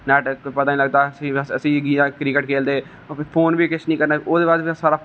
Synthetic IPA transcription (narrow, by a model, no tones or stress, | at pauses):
nɛːʈəpət̪aːnĩːləɡd̪aːsĩːsəsĩːɡijãːkɾɪkəʈkʰeːld̪eː | pʰoːnbiːkɪt͡ʃʰnĩːkəɾnaːoːd̪eːbaːd̪isaːɾaː